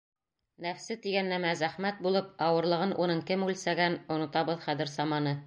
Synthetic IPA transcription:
næfsɘt̪iɡænːæmæzæχmæt̪̚bulˠɤpɑwɤ̆ɾlˠɤ̆ʁɤnʔunɤɴkɘmʉlsæɡænŏnŏt̪ɑbɤðχæðɘɾzɑmɑnɤ

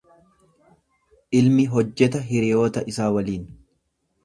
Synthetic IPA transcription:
ʔɪlmɪɦɔd͡ʒːɛt̪̬ɐɦɪɾɪjoːt̪ɐʔɪsaːwɐliːn

